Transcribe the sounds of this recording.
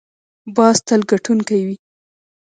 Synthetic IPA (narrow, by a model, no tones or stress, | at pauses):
bɑst̪əlɡaʈunkajwi